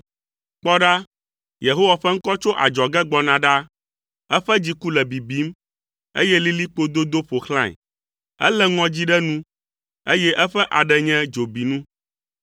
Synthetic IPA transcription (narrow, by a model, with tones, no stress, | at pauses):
k͡pɔ˦ɖa˦ | je˨ɦo˦wa˨ɸɛ˦ŋ̩˦kɔ˦t͡ʃo˦ʔa̰˨d͡ʒɔ˨ɡɛ˦ɡ͡bɔ˨nã˨ɖa˦ | ɛ˦ɸɛ˦d͡ʑi˦ku˦lɛ˨bi˨bi˨˦m | ḛ˦jɛ˦li˦li˦k͡po˦d̪o˦d̪o˦ɸo˨xlã̰˦˨ɲ̰˨ | ɛ̰˦lɛ˦ŋɔ̃˦d͡ʑi˦ɖɛ˦nũ˦ | e˦jɛ˦ʔɛ˦ɸɛ˦ʔa˨ɖɛ˨ɲɛ̃˦d͡ʒo˨bi˨nũ˦